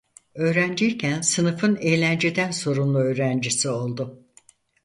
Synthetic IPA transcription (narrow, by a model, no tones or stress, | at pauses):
ø̞ːɾænd͡ʒiɾcʰænsɯnɯfɯne̞jlʲænd͡ʒe̞d̪ænso̞ɾunlˠuø̞ːɾænd͡ʒisio̞lˠd̪ʊ